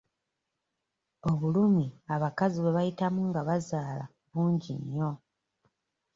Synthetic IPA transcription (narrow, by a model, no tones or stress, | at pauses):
o̞βulumiaβakaziβe̞βajitamuŋɡaβazaːla̰ | βuːɲɟḭɲːo̞